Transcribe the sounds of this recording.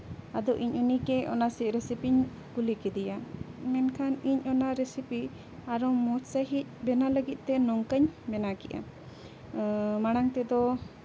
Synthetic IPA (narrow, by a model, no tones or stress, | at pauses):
ad̪ɔʔiɲʔunikɛɔnasiʔ̪̚ɾɛsipiɲ | kulikɛd̪ijamɛnkʰaniɲɔnaɾesipi | aɾɔmɔsəɦit̪̚ˀbɛnaləɡit̪̚ˀt̪ɛnɔŋkəɲbɛnakɛʔa̰ | maɽ̃aŋt̪ɛd̪ɔ